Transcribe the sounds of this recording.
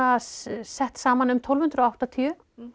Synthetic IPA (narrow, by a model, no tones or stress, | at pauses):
assɛht̪saːmanʏmt̪ʰolvhʏnt̪ɾɔawht̪at̪ʰiʏ